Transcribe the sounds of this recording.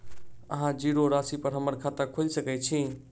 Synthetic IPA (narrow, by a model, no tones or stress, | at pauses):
əɦãd͡ʒiɾoɾasipəɾɦəməɾkʰat̪əɾkʰod͡ʒsəkɛt͡ʃʰi